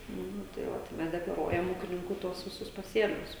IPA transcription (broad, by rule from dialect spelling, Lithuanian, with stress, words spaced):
ˈnʊ tɐɪ ˈʋɐ tɐɪ ˈmʲɛs dʲɛklˠɐˈruɔjɛm ˈuːkʲɪnʲɪŋkuː ˈtuɔs ʋʲɪˈsʊs pɐˈsʲeːlʲʊs